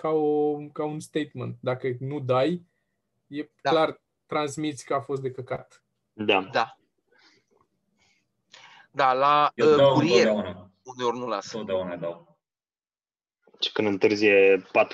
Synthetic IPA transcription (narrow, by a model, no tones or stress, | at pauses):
kaokaunst̪ejt̪mənt̪̚d̪akənud̪aj | jeklar | t̪ɾansmit̪sʲkəafo̞s̬t̪d̪e̞kəkat̪ | d̪aa | d̪alaəkuɾie | uneurnulasona | t͡ʃkɨnd̪ɨnt̪ɨrzijepat̪